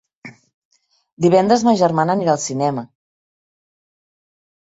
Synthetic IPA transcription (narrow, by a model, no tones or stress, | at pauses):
d̪iβɛnd̪ɾəzmaʒəɾmanəniɾalˠsinɛmə